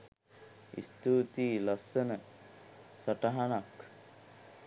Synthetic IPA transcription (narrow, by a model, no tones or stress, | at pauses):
ḭst̪uːt̪iːlɐsənə | saʈaɦanak